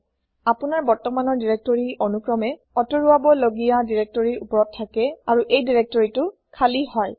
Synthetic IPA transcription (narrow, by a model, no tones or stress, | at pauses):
apunaɹbɔɹtɔmanɔɹdiɹɛk̚tɔɹiʔɔnukɹɔmɛ | ɔtɔɹuabɔloɡijadiɹɛk̚tɔɹiɹupɔɹɔtʰːakɛaɹuʔejdiɹɛk̚tɔɹitʊ | kʰalihɔj